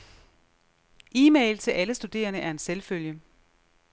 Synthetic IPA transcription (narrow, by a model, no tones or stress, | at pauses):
iːmeɪlt͡sʰe̝lʔæləsd̥ud̥e̝̰ːɐnəʔæɐe̝nselføljə